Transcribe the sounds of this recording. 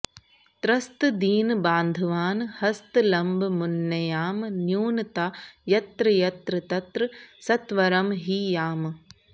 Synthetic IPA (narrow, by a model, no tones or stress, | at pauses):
t̪ɾɐst̪ɨd̪iːnbaːnd̪ʱɐʋaːnhɐst̪ɨlɐmbʱmunjɐjaːmnjuːnɨt̪ajɐt̪ɾɨjɐt̪ɾɨt̪ɐt̪ɾɨsɐt̪ʋɐɾɐmɦiːjaːm